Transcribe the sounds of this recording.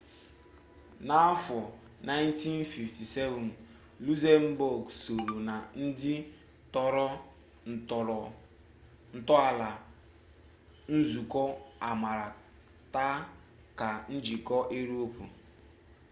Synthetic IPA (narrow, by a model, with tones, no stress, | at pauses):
na˦a˦fɔ˨ | na˦jnti˦nfi˨fti˨sɛ˦vɔ˨n | lu˦ze˦m̩˦bo˨ɡso˨ɾu˨na˨n̩˦dɪ˦ | tɔ˦ɾɔ˦˨ | ɔ˨ɔ˨ | n̩˨tɔ˦a˨la˨ | n̩˦zu˨kɔ˦a˨ma˨ɾa˨ | ta˦ | ka˨n̩˦d͡ʒi˨kɔ˦ʔe˦ɾo˦pu˨